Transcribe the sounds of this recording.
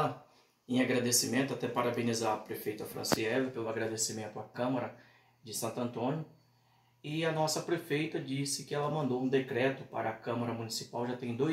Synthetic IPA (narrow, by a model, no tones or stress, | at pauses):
ɐ | ẽaɡɾad̪esimẽnt̪ʊat̪ɛpaɾabẽnizaɐpɾefejt̪ɐfɾɐ̰̃siɛvɪpelʊaɡɾad̪esimẽnt̪ʊakɐ̃mɐɾɐ | d͡ʒɪsɐ̃nt̪ɐ̃nt̪õnjʊ | ɪɐnɔsɐpɾefejt̪ɐd͡ʒisɪkɪɛlɐmɐ̃nd̪oũd̪ekɾɛt̪ʊpa̰ɾɐːkɐ̃maɾɐmunisipawʒat̪ẽj̃d̪o